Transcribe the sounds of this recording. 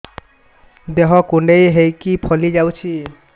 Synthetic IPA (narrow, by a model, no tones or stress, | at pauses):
d̪eɦɔkuɳɖejɦejkipʰɔlid͡ʒawt͡ʃʰi